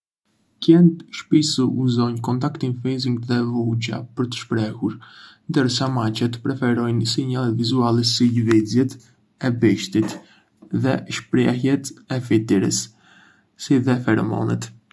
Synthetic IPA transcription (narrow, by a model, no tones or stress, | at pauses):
cɛnt̪ʃpisəuzɔɲkɔnt̪akt̪infiziŋɡðɛvuɟa̰pəɾt̪ə̥ʃpɾɛhuɾnd̪əɾsamacɛt̪pɾɛfɛɾɔjnsiɲalɛt̪vizualɛsilvid͡zjɛt̪ | ɛbɛʃt̪it̪ | ðɛʃpɾɛhjɛt̪ɛfit̪iɾə̰s | siðɛfɛɾmɔ̰nɛ̰t̪